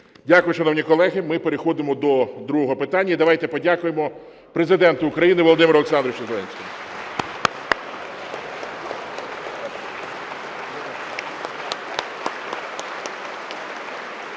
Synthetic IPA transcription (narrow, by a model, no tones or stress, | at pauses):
dʲakʊjʊʃɐnɔwnʲikɔlˠɛɦɪmɪpeɾexɔd̪ɪmɔd̪ɔd̪ɾuɦɔɦɔpɪt̪ɑnʲːɐid̪ɐʋɑjt̪ɛpɔdʲakʊjemɔ | pɾezɪd̪ɛnt̪ʊʊkɾɐjinɪʋɔlˠɔd̪ɪmʲɪɾɔleksɑnd̪ɾʊʋɪt͡ʃɐzelˠɛnʲsʲkɪmʊ